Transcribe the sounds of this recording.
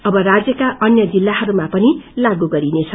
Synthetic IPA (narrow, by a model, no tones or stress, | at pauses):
ʌbʌrad͡zjʌkaʔʌnjʌd͡zilːaɦʌɾumapʌnilaɡuɡʌɾinet͡sʰʌ